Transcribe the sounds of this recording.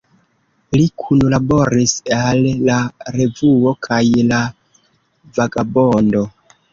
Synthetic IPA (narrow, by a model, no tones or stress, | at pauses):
likʰunulabo̞ɾisalːaɾe̞vuo̞kʰajla | vaɡabo̞ndo̞